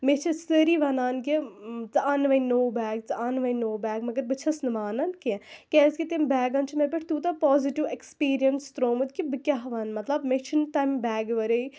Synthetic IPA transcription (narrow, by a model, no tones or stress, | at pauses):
met͡ʃʰɐsəɾiːʋanaːnkit͡sɨanʋɐjnoːbɛːɡ̚t͡sɨaːnʋɐjnoːbɛːɡmɐɡɐɾbɨt͡ʃʰɐsnɨʋaːnɐnkekʲeːskʲit̪embɛːɡɐnt͡ʃʰimepɐʈʰt̪uːt̪ɐpɔːziʈiʋekspiːɾijɐnst̪ɾoːmɨd̪kibɨkʲɐɦʋɐnmɐt̪lɐbmet͡ʃʰint̪aːmbɛːɡʋɐɾɐi